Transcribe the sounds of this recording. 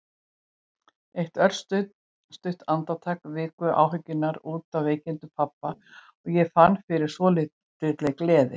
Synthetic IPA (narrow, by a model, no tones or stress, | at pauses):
ejht̪œr̥st̪ʏt̪ | st̪ʏɥht̪ant̪at̪ʰaːkvɪːkvʏʔa̰ːwɦʏcːʏnːaɾuːt̪awveːjcɪnt̪ʏpʰapːa | ɔɣjɛfanːfɪɾɪɾ̥svɔːlɪ | ɪːt̪leklɛːðɪ̰